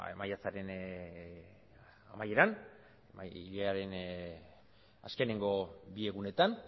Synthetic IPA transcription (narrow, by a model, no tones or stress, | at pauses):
majat͡saɾe̞n | amaje̞ɾan | iʎeaɾe̞n | a̰ske̞ne̞ŋɡo̞bie̞ɣune̞t̪an